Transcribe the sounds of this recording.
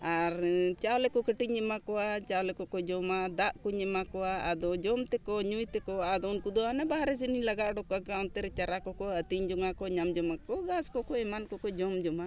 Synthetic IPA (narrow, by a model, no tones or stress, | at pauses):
aɾt͡ʃawlɛkɔkəʈiɲɛmakɔat͡ʃawlɛkɔkɔd͡ʒɔmad̪aʔkuɲɛmakɔwaad̪ɔd͡ʒɔmt̪ɛkɔɲujt̪ɛkɔad̪ɔnkud̪ɔanabaɾɛs̬inilaɡaʔɖɔkɔakant̪ɛɾɛt͡ʃaɾakɔkɔət̪iɲd͡ʒɔŋakɔɲamd͡ʒɔmakɔɡaskɔkɔɛmankɔkɔd͡ʒɔmd͡ʒɔma